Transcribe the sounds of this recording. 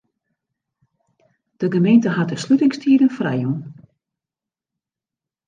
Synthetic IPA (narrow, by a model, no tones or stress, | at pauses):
d̥əɡəmejntəɦat̚dəslytɪŋstʰiːdənfrɛjun